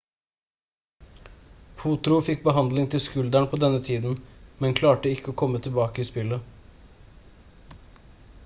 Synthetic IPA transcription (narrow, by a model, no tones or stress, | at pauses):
pʰuːt̪ɾʊfɪk̚bəɦɑnd̪lɪŋt̪ʰɪlskʉld̪æɳpʰoːd̪ɛnːət̪ʰiːd̪n̩mɛnkʰlɑːʈəɪkːəoːkʰɔmːət̪ʰɪlbɑːkəiːspɪlə